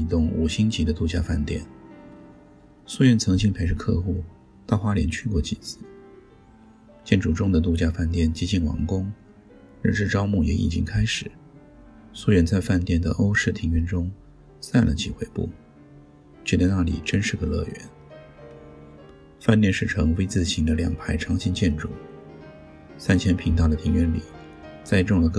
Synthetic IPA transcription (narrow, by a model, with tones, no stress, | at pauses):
t̪ʊ˥˩ŋṵ˨˩ɕi˥ŋt͡ɕi˧˥d̪ə˧t̪u˥˧t͡ɕja̰˥˧fa˥˧nt̪jɛ̰˥˩n | swɥɛ˥˩nt͡sʰɤ˧˥ŋt͡ɕi˥pʰe˧˥ɪʂ̬̩˥˧kʰɤ˥˧xu˥˩ | t̪ɑ˥˩ʊxwa˥ljɛ̰˧˥nt͡ɕʰy˥˧kwɔ˥˩t͡ɕi˨˩t͡sʰɹ̩˥˩ | t͡ɕjɛ˥˩nʈ͡ʂu˨˩ʈ͡ʂʊ˥ŋd̪ə˨t̪̬u˥˧t͡ɕja˥˧fa˥˧nt̪jɛ˥˩nt͡ɕi˥t͡ɕi˥˩nwɑ̰˧˩ŋkʊ˥ŋ | ɻ̩˥˧ʈ͡ʂɻ̩˥˩ʈ͡ʂɑ˥ʊmu˥˩jɛ̰˧˥ʔḭ˨˩t͡ɕḭ˥ŋkʰa˥ɪʂɻ̩˨˦ | swɔ˥˧˥ɥɛ˧˥nt͡sa˥˧ɪfa˥˧nt̪jɛ˥˩nd̪ə̰˩ʔo˥ʊʂɻ̩˥˩t̪ʰi˧˥ŋɥɛ˧˥nʈ͡ʂʊ˥ŋ | sa˥˩nlʔə̰˩t͡ɕʰi˨˩xwe˧˥ɪpṵ˥˩ | t͡ɕʰɛ˥˧t͡sa˥˧ɪna˥˩lḭ˨˩ʈ͡ʂə˥nʂɻ̩˥˩d̪ə˩lɤ̰˥˩ɥɛ̰˧˥n | fa˥˧nt̪jɛ˥˧nʂɻ̩˥˩ʈ͡ʂʰɤ˧˥ŋwe˥ɪt͡sɹ̩˥˩ɕi˧˥nd̪ə˧ljɑ̰˨˩ŋpʰa˧˥ɪʈ͡ʂʰɑ˧˥ŋɕi˧˥nt͡ɕjɛ˥˩nʈ͡ʂu˥˩˦ | sa˥˩nt͡ɕʰjɛ˧˥npʰi˧˥ŋt̪̬ɑ˥˩ʊd̪ə˩t̪ʰi˧˥ŋɥɛ˧˥nlḭ˨˩˦ | t͡sa˥˧ɪʈ͡ʂʊ˥˩ŋlə˩k